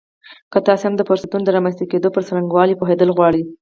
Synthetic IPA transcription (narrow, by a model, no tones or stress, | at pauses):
kət̪ɑsehamd̪əfoɾsat̪und̪əɾɑmanst̪aked̪opəɾsɾaŋɡwɑlipoɦed̪əlɣwɑɽi